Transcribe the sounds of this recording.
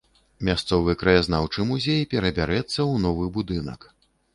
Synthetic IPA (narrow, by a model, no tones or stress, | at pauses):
mʲast̪sɔvɨkɾɐjaznawt͡ʂɨmuzʲejpʲɛɾɐbʲaɾɛt̪sːɐwnɔvɨbud̪ɨnɐ̰k